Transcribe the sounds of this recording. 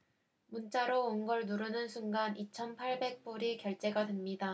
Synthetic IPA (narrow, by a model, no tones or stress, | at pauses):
munt͡ɕ͈aɾoonɡʌɭnuɾɯnɯnsʰuŋɡanit͡ɕʰʌnpʰaɭbe̞k̚p͈uɾikjʌɭt͈e̞ɡadɯnɲida